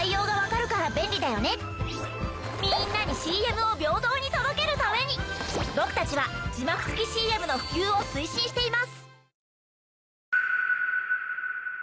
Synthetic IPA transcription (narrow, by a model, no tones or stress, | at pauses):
ijo̞ːɡaβ̞akaɾɯ̟kaɾabẽ̞nʲɾʲid̪ajo̞ne̞ | mʲĩnːaɲ̟iɕiːe̞mɯ̟o̞bʲjo̞ːd̪o̞ːɲ̟it̪o̞d̪o̞ke̞ɾɯ̟t̪ame̞ɲ̟ibo̞kɯ̟̥t̪at͡ɕiβad͡ʑimakɯ̟̥t͡sɨ̥kʲiɕiːe̞mɯ̟no̞ɸɯ̟̥kʲɨːo̞sɨiɕĩɰ̃ɕi̥t̪e̞imasɨ̥